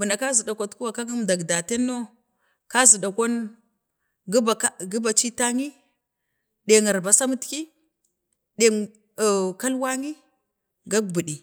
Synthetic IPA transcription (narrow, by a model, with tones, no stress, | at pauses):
bə˨na˨ka˦zi˨da˨kʷa˨tku˦wa˨ka˦ŋu˦mda˨ɡda˨te˦nːo˦ | ka˦zi˨da˨kʷo˦n | ɡba˨˦ɡi˦ba˨t͡ʃi˦ta˦ŋi˦ | ɗe˨ŋa˨ɾba˨sa˦mu˦tki˦ | de˨ | ka˦lwa˦ŋi˦ | ɡa˦k̚bu˨ɗi˨